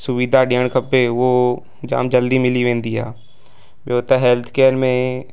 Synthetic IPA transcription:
sʊʋid̪ʱaɖijəɳ̃kʰəpːeʋo | d͡ʒa̰ːmd͡ʒəld̪imɪliʋẽːnd̪iɦɛː | bjəot̪əɦeːlt̪ʰkeːɾmẽ

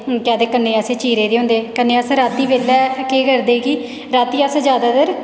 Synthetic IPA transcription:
kjãːd̪eːkənːeːəseːt͡ʃiːɾeːd̪eːɦʊ̃ːnd̪eːkənːeːəsɾaːt̪ːiːbeːlːɛːkeːɡəɾd̪eːkiː | ɾaːt̪ːiːəsd͡ʒjaːd̪aːd̪əɾ

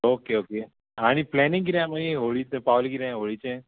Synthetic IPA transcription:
oːkeoːke | añipleːnɪ̃ŋkiɾejãmɐniɦoːɭitepaʋlikiɾeãɦoːɭit͡ʃẽ

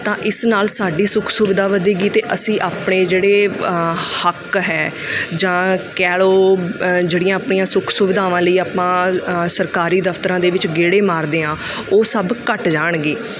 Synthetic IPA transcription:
t̪ãːʔɪsnaːlsaːɖiːsʊkʰsʊʋɪd̪aːʋəd̪iːɡiːt̪eːʔəsĩːʔaːpɳeːd͡ʒeːɽeː | həkɦɛː | d͡ʒãːkɛːɭoːd͡ʒeːɽijãːaːpɳiːãːsʊkʰsʊʋɪd̪aːʋãːləiːaːpãːsəɾkaːɾiːd̪əft̪əɾãːd̪eːʋɪt͡ʃɡeːɽeːmaːɾd̪eːãː | oːsəbkəʈd͡ʒaːɳɡeː

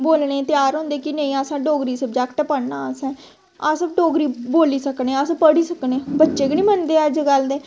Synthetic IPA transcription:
boːlɳẽːt̪ɪjaːɾɦʊ̃nd̪eːkɪneĩːəsãːɖoːɡɾiːsəbd͡ʒɛːkʈɛpəɽnãːəsɛ̃ː | aːsəb̚ɖoːɡɾiːboːliːsəknẽːəsãpəɽiːsəkneːbətːʃeːɡɪnĩːmənd̪eːəd͡ʒɡəld̪eː

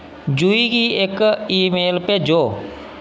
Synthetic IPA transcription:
d͡ʒuikiekiːmeːlped͡ʒoː

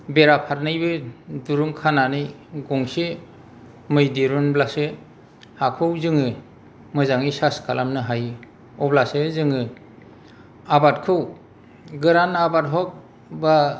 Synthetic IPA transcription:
beɾapʰaɾnɯjbɯduɾuŋkʰananɯjɡɔŋse | mɯjdiɾunblase | hakʰɯwzɯŋɯ | mɯzaŋijsaskʰalamnɯɦaj | ɔblasezɯŋɯ | abatkʰɯw | ɡɯɾanabatɦɔk̚ | ba

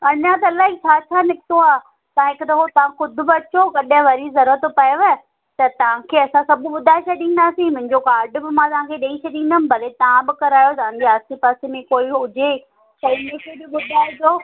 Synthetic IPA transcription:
ɐɲãt̪̬ɐɐlaːɦit͡ɕʰaːt͡ɕʰaːnɪkɪt̪oaː | t̪ɐaãɦɪkt̪ɐɦot̪ɐʋ̤ãxʊd̪ʱʊ̆bɪɐt͡ɕokɐɗə̃ʋɐɾizɐɾuɾət̪pɐjeʋa | t̪ɐt̪ɐʋ̤ãkʰeːɐsãsɐbɓʊd̪ʱaːɪʃɐɗĩːnd̪aːsĩmʊ̃ɦɪ̃ɲd͡ʑokaːɾɖbɪmãt̪ɐʋ̤ãkʰeɗẽːĩʃɐɗĩːnd̪əm̆bʱɐlet̪ɐʋãbɪkɐɾaːjot̪ɐʋãɲd͡ʑeaːst̪ipaːsemẽkoːiɦʊd͡ʑe | sɐimẽkʰebɪɓʊd̪ʱaːɪd͡ʑoː

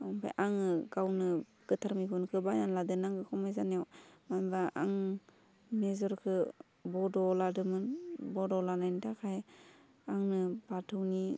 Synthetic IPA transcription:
ɔŋpʰa̰jʔaŋɯɡawnɯ | ɡ̥ɯtʰaɾmikʰunkʰɯbajnanladɯnaŋkɯkʰɔmajzanawmanbaa̰ŋ | mezɔɾkʰɯ | bɔdɔladɯmɯnbɔdɔlanajntʰakʰaj | aŋnɯbatʰɯwni

